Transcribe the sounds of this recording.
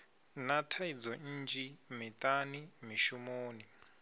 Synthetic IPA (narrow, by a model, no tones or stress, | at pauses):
natʰaid͡zɔn̩ːnd͡ʒimitʼanimiʃumoːni